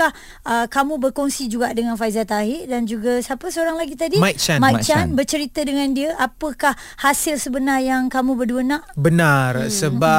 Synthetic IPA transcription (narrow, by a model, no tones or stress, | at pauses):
ah | əkamũbərkɔŋsid͡ʒuɡaʔdəŋanfaizat̪aɦɪʔdand͡ʒuɡasapəsəoɾaŋlaɡit̪adimaj̚t͡ʃanmãjt͡ʃanbərt͡ʃəɾit̪ədəŋãndiəʔapəkah | hasɪlsəbənarjaŋkamũbərduənaʔbənarsəba